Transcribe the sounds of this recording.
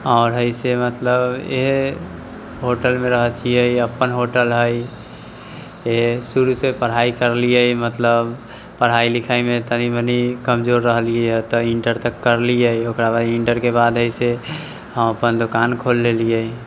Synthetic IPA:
ɔːɾɦəisemət̪ləbḛɦ | ɦoʈəlmẽɾəɦət͡ʃʰiəiəpːənɦoʈəlɦəi | esuɾusepəɽ̤ɦaikəɾlijəimət̪ləb | pəɽ̤ailikʰaimẽt̪ənibənikəmd͡ʒoɾːəɦəliɦɛt̪ɔɪɳʈəɾt̪əkːəɾliəiokɾabaɪ̃ɳʈəɾkebad̪ɦəise | ɦəməpənd̪okankʰolːelijəi

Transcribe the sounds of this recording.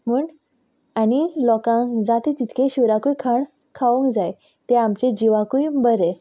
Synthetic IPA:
m̤uːɳ | añilɔkãŋkd͡zat̪et̪it̪ʰkʰeɕuɾakujkʰaɳ | kʰaʋũŋkd͡zaj | t̪eamt͡ɕed͡ʑiʋakujbəɾe

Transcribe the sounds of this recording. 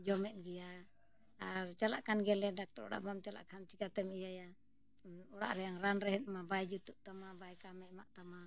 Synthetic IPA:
d͡ʒɔmɛt̪̚ɡija | aɾt͡ʃalaʔkanɡɛlɛdak̚t̪ɔɾṵɽa̰ʔbamt͡ʃala̰ʔkant͡ʃikat̪ɛmijaja | uɽa̰ʔɾɛjaŋɾanɾɛɦɛt̪̚mabajd͡ʒut̪uʔt̪amabajkamɛʔmaʔt̪ama

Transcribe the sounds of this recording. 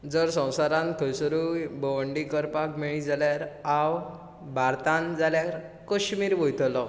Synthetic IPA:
d͡zəɾsə̃w̃saɾãnkʰəjsəɾubəʋəɳɖikəɾpakmiɭĩd͡zaljaɾaw | bʱaɾt̪ãnd͡zaljaɾ | kəɕmiːɾʋəjt̪lɔ

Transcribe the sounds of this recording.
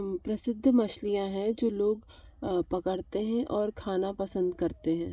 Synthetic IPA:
pɾɐsɪd̪ʱːmɐʃlijãɦɛ̃d͡ʒoːloːɡpɐkəɽt̪eɦɛ̃ʔɔːɾkʰaːnapɐsə̃nd̪kɐɾt̪eɦɛ̃ː

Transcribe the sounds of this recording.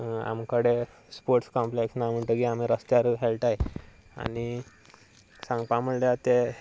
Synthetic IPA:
a̰mkəɽe | spoɾʈskɔmpleksnam̤əɳʈəkiamiɾəst̪jaɾuɦelʈaje | a̰ni | sãŋɡpãməɳljat̪e

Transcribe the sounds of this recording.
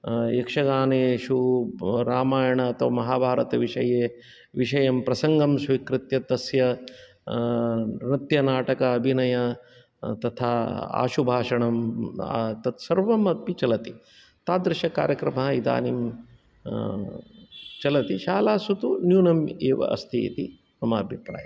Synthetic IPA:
jekʂɐɡaːneːʃuɾaːmaːjɐɳɐːt̪ʰɐʋɐmɐɦaːbʱaːɾɐt̪ɐʋiʂɐjeː | ʋiʂɐjɐmpɾɐsɐŋɡɐmsʋikɾɪt̪jɐt̪ɐsjɐ | ɾit̪jɐnaːʈɐkɐːbʱinɐjɐ | t̪ɐt̪ʰaːa̰ːʃubʱaːʂɐɳɐm | t̪ɐt̪sɐɾʋɐmɐt̪̚pit͡ʃɐlɐt̪i | t̪aːd̪ɾɪʃɐkaːɾjɐkɾɐmɐɦɐid̪a̰ːnim | t͡ʃɐlɐt̪iʃaːlaːsut̪unjuːnɐmeːʋɐ̰ʔɐ̰st̪ʰḭːt̪i | sɐmaːbʱipɾa̰ːjɐm

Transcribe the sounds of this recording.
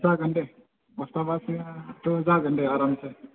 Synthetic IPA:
saːɡʱəɳʈe | ʋɐst̪aːbaːsed̪oɦəzaːɾɡʱəɳʈeaːɾaːmse

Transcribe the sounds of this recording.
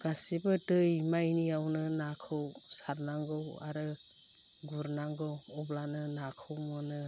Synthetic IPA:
ɡ̥asibɯtɯjmajniawnɯnakʰɯw | saɾnaŋɡɯwa̰ɾɯ | ɡuɾnaŋɡɯwɔblanɯnakʰɯwmɯnɯ

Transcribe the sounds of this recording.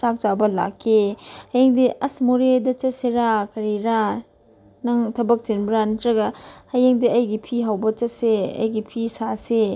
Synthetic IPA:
t͡ʃak̚t͡ʃabɐla̰kʰːehɐjeŋdiʔɐsmoɾedɐt͡ʃɐseɾakɐɾiɾa | nɐŋtʰɐbɐk̚t͡ʃinbɾantɾɐɡɐhɐjeŋdiɐjɡipʰiɦawbɐt͡ʃɐseɐ̰jɡipʰisase

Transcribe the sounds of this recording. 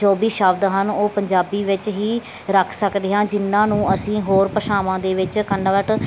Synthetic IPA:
ɔːbiːʃəːbd̪ɦənoːpəɲd͡ʒaːbiːʋɪt͡ʃɦiː | ɾəkʰsəkd̪eːɦãːd͡ʒɪnːãːnũːʔəsĩːɦoːɾpəʃaːʋãːd̪eːʋɪt͡ʃkəɳːəʋəʈ

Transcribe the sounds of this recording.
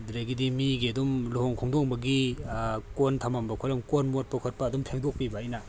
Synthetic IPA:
dɾajɡidimiɡiɐdumluɦɔŋkʰɔŋdɔŋbɐɡi | kontʰamambɐkʰɔlɐmkonmot̚pɐkʰɔt̚pɐːdumpʰeŋdok̚pibaːjna

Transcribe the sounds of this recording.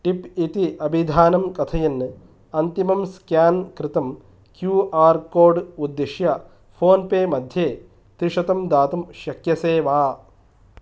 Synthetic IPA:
ʈipit̪iʔɐbʱid̪ʱaːnɐmkɐt̪ʰɐjɐnːɨ | ɐnt̪imɐmskjaːnkɾɪt̪ɐm | kjuːʔaːɾkoːɾɖud̪ːeʃjɐ | pʰoːnpeːmɐd̪ʱjeː | t̪ɾiʂɐt̪ɐmd̪aːt̪ɐmʃɐkjɐseːʋaː

